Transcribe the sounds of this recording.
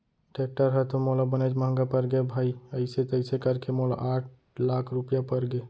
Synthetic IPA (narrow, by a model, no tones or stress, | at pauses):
ʈek̚ʈəɾɦɛt̪omolabəned͡ʒmãːŋɡapəɾɡebʱaːiəɪset̪oəɪsekəɾkemola̰ʔaːʈ̚ʰ | laːkʰɾupjapəɾɡe